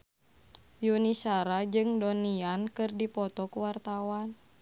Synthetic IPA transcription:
junisaɾad͡ʒɨŋdɔniankɨrdipɔt̪ɔkuwart̪awan

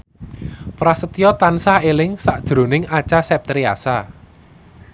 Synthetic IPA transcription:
pɾasət̪ijɔt̪ansahelɪŋsaʔd̥ʒ̥ɾo̤nɪŋat͡ʃasɛp̚t̪ɾia̰sa

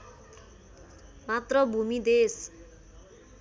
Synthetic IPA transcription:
mat̪rʌbʱumid̪es

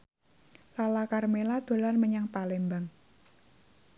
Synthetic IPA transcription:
lalakarmelad̪̥o̤larməɲaŋpalembaŋ

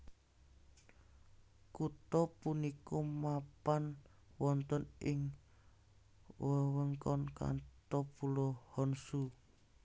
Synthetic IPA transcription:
kut̪ɔpunikɔmapan | wɔnt̪ɔnʔɪŋ | wəwəŋkɔnka̰nt̪ɔpulɔhɔnsu

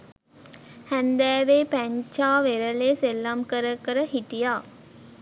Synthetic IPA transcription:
hænd̪æːʋeːpæɲt͡ʃaːʋeɾəleːselːamkəɾəkəɾəɦiʈijaː

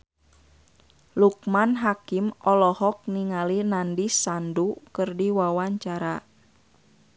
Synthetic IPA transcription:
luk̚manɦakimʔɔlɔhɔk̚niŋalinandisandukɨrdiwawaɲt͡ʃaɾa

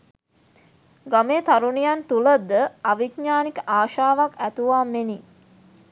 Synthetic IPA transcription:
ɡameːt̪aɾunijant̪uləd̪əaʋikɲaːnikəʔaːʃaːʋakæt̪uʋaːmeni

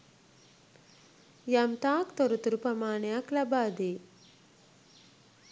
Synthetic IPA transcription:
jɐmt̪aːkt̪ɔɾut̪uɾupɐmaːnjaklɐbaːd̪eː

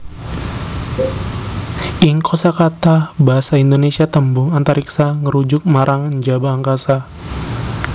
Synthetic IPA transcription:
ʔiŋkʰosakat̪abaɦasaind̪onesiat̪əmbʊŋant̪aɾiksaŋəɾud͡ʒʊk̚maɾaŋnd͡ʒabaːŋkasa

